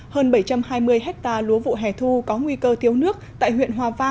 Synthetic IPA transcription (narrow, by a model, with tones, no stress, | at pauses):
həː˧nɓə˧˩jt͡ɕa˧mhaː˧jmɨ˧əjɦɛ˦˥k̚t̪aː˧lu˨˦əvṵ˧˨ɦɛ˧˨˩t̪ʰu˧kɔ˨˦ŋwi˧kəː˧t̪ʰi˨˦əwnɨ˦˥ək̚t̪a̰ː˧˨jɦwḭ˧˨ənɦwaː˨˩vaː˧